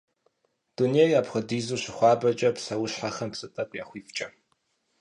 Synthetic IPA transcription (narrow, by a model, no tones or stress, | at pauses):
d̥uneːjaːpχədiːzuːɕɪχʷɑːbɐt͡ʃʼɐpsɐwʊɕħaχɐmpsɨtʼɐkʷʼjaːχʷiːft͡ʃʼɐ